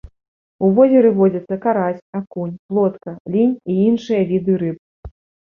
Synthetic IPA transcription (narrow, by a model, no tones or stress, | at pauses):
uvɔzʲɛɾɨvɔd͡zʲɐt̪sːɐkaɾasʲakunʲplˠɔt̪kɐlʲinʲiinʂɨjɐvʲid̪ɨɾɨp̚